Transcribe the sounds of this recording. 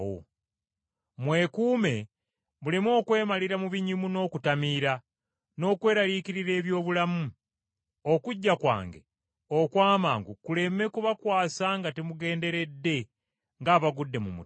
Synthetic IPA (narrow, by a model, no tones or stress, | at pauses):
wo̰ | mwe̞ːkuːme̞ | mulimwo̞ːkwe̞ːmaliɾamuβiɲimuno̞ːkutamiːɾa | no̞ːkwe̞ːɾaliːkiɾiɾe̞ːβjo̞ːβulamu | okuɟːakwa̰ːŋɡe | okwaːma̰ːŋɡukule̞me̞kuβakwaːsaŋɡatemuɡe̞ːnde̞ɾe̞dːe̞ | ŋɡaːβaɡudːe̞mumṵ